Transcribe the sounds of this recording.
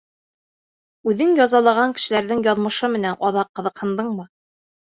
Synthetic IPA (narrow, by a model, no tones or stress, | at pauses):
ʉðɘŋjɑzɑlˠɑʁɑŋkɘ̆ʃɘ̆læɾðɘŋjɑðmɤ̆ʃɤmɘ̆nænʔɒðɑqːɤ̆ðɤ̆qhɤ̆nd̪ɤɴmɤ